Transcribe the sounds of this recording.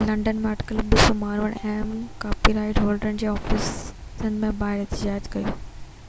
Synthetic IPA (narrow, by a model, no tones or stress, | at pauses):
lɐ̃ɳɖənmẽɐʈkəlbɪsomaːɾʋəɽ̃eːmkaːpiɾaːɪʈɦoːlɖɾənɪd͡ʑeːɔːfɪsənɪ̆mẽbaːɦɪɾɛɦt̪ɪd͡ʑaːd͡ʑkɐjoː